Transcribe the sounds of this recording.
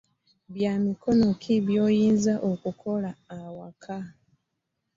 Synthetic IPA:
βjaːmiko̞no̞kʰiβjo̞ːjiːnzaʔokukʰo̞laːwakʰa

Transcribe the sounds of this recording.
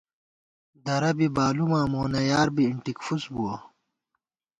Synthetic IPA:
d̪ɐɾɐbibaːlumãːmoːnɐjaːɾbiːɳʈikfusbuwɐ

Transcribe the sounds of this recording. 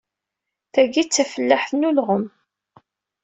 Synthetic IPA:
θæɡit͡sːæfəlːaħθnulʁəm

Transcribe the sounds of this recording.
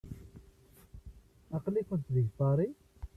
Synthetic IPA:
ɑqlikʷʊnt̪ðəʝt̪ɑɾˤi

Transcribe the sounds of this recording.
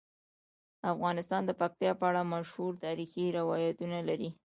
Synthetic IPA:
afɣɑnɪst̪ɑnd̪əpak̚t̪jɑpəaɽamaʃhuɾt̪ɑɾixiɾɪwɑjat̪unalaɾi

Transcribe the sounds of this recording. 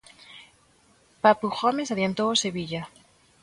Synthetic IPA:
papuxomes̬aðjant̪oase̞βiʎa

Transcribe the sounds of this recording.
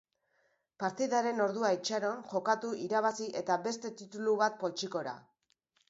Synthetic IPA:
paɾt̪iðaɾe̞no̞ɾðuait͡ʃaɾo̞nʝo̞kat̪uʔiɾaβ̞asiʔe̞t̪aβe̞st̪e̞t̪it̪uluβat̪̚po̞lt͡ʃiko̞ɾa̰

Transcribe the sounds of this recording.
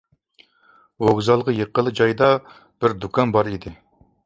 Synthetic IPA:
oʁzɑlˠʁəjeqːəlˠːɨd͡ʒɑjd̪ɑ | b̥ɪɾd̪ukʰɑnbɑɾid̪ɪ

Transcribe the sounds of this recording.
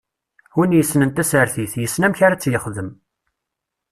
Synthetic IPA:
winjəsnənt̪æsəɾθiθjəsːnæmçaɾat͡sːjəχðəm

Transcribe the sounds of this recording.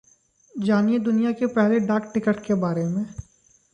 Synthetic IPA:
d͡ʒaːnied̪ʊnijakepɛɦleɖaːkʈɪkəʈkebaːɾemẽː

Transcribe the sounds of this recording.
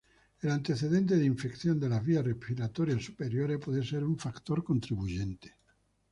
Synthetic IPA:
elant̪e̞θeðent̪̬eðiɱfekθjond̪elaβiarepiɾat̪oɾjasupeɾjoɾepwoðeseɾuɱfakt̪oɾko̞nt̪ɾiβuʝent̪e̥

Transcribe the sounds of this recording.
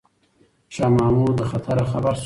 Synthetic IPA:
ʃaːmɑːmud̪əxat̪ʰaɾaxabaɾs

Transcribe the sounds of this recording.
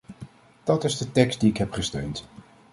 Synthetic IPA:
d̥ɑtɪzdətɛkstdiɪkɦɛpχəstøɥnt

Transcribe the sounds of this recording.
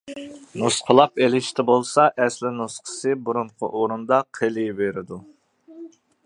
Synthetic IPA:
nusqʰəlˠɑpelɪʃt̪ʰɪbolˠsɑʔɛslɪnusqʰə̥sɨbuɾuɴqʰʊ̰ʔoɾund̪ɑqʰelɨbeɾɪd̪u

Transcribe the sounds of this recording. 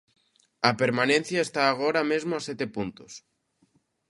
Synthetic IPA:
ɐpeɾmanẽn̟θjaest̪aːɣ̞oɾamezmoasjɛt̪epunt̪os

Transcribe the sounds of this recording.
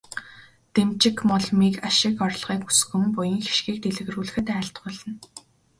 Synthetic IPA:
t̪emt͡ɕɪ̆kmɔɮmiːkaʃɪ̆kɔrɮʁiːku̥sxɘ̆mpʊjɪ̆ŋxi̥ʃɡiːk̚t̪eɮɘ̆ɣ̆ruːɮɘ̆xɘ̆t̪æːɬt̪ɢʊːɮə̆n

